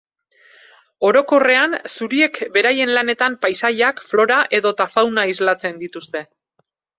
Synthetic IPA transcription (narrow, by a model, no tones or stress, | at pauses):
o̞ɾo̞ko̞re̞ansuɾie̞kbe̞ɾaje̞nlane̞t̪ampajsajakflo̞ɾaʔe̞ðo̞t̪afawnaizlat͡se̞nd̪it̪ust̪e̞